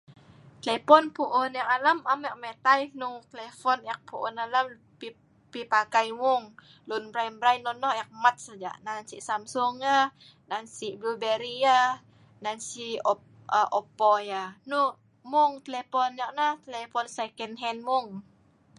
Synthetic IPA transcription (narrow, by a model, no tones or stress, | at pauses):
t̪əlɛpɔnpuʔʊnjakalamamɛʔ̚met̪ajnut̪əlefɔnjak̚puʔṵnalam | pi | pipakajmuŋ | lunbɾajmbɾajnɔnɔhjak̚mat̪̚sad͡ʒa̰ʔnansiʔsamsʊŋa | nansiʔblubeɾia | nansiɔ | ʔɔpɔjanu | muŋt̪əlepɔnjaʔnaht̪əlɛfɔnsekɛnɦɛnmʊŋ